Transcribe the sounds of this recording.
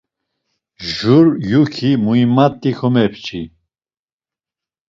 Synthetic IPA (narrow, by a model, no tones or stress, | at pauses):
ʒuɾjukʰimuimat̪ʼːixʰɔmɛpʰt͡ʃʰi